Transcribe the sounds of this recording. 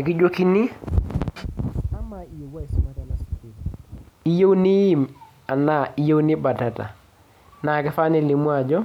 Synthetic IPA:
ɪ˨kɪ˦d͡ʒo˦ki˦ni˦ | a˦ma˨i˨je˨wa˦i˨si˦ma˨ta˦la˨ski˨i˦je˦wni˦ji˦m | a˨na˦˨i˦je˦wnɪ˦ba˨ta˨ta̰˨ | na˨kɪ˦fa˦nɛ˨li˨mu˦a˨d͡ʒɔ˦

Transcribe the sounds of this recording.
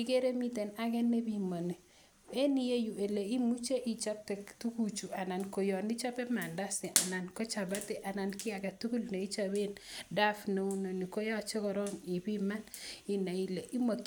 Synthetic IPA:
i˦ɡe˦ɾe˦mi˦te˨na˦kɛ˦nːe˦bi˦ma˨ni˨ | e˦ni˦je˦ju˨e˨le˨i˦mu˦t͡ʃe˦ʔi˦t͡ʃa˦k̚tɛ˨ktu˦ku˦t͡ʃu˨a˨na˨nko˨jɔ˨ni˦t͡ʃa˦pɛ˦ma˨nda˦sɪ˨ʔa˨na˨nko˦t͡ʃa˨ba˦te˨ʔa˨na˨nkɪ˦a˨ka˨tu˦ku˦lne˨i˦t͡ʃa˦be˦nda˦fne˨u˦no˨ni˨ko˦jɔ˦t͡ʃe˦kɔ˨ɾɔ˦ŋɪ˨bi˦ma˦nɪ˦na˨i˦le˨ʔi˦mo˨

